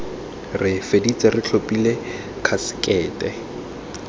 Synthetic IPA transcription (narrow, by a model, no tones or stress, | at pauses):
rɪfedit͡sʼɛrɪt͡ɬʰopʼile | kʰasɪ̥kʼɛːtʼɛ